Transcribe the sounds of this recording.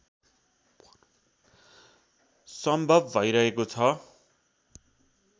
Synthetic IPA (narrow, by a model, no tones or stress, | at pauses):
sʌmbʱʌbbʱʌjɾʌɦekot͡sʰʌ